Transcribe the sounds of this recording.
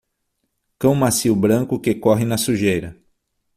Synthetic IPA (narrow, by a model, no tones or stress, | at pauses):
kɐ̃w̃masiwbɾɐ̃ŋkʊkekɔɦɪnɐsuʒejɾɐ